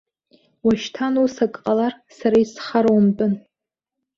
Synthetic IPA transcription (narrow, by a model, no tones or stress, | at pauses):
waʃtʰanusakʼqʼalar | saɾaisχaɾwambʼɨn